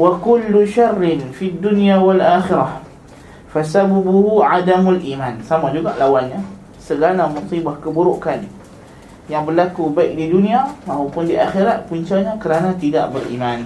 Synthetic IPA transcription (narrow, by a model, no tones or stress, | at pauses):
wakulːuʃarːɪnfiad̪ːunijawalʔaːxɪɾah | fasababuhuʕadamalʔiːmansamad͡ʒuɡaʔlawanɲa | səɡanamusibahkəbuɾuʔkan | jaŋbərlakubaɪk̚diduniamaɦapʊndiʔaxiɾaʔpuɲt͡ʃaɲakəɾanãt̪idaʔbərʔḭman